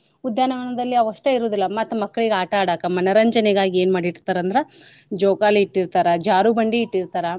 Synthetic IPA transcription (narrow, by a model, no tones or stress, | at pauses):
ud̪jaːnɐʋɐnɐd̪ɐlːiɐʋɐʂʈeiɾoːd̪ilːɐmɐt̪ːɐmɐkːɐɭiɡeaːʈɐaːɽaːkɐmɐnɐɾɐɲd͡ʒɐneɡaːɡieːnmaːɽiʈt̪aːɾɐnd̪ɐɾed͡ʒoːkaːliiʈːiɾt̪aːɾɐd͡ʒaːɾubɐɳɖiːʈːiɾt̪aːɾɐ